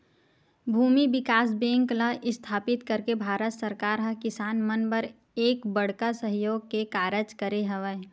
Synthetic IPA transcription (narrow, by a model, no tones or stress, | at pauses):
bʱuːmibɪkaːs̬bẽːŋkləʔɪst̪ʰaːpɪt̪kəɾkebʱaːɾət̪səɾkaːɾɦɐkɪsaːnmənbəɾ | eːkbəɽ̤kasəɦjoːɡ̚kekaːɾəd͡ʒkəɾeɦɐʋeː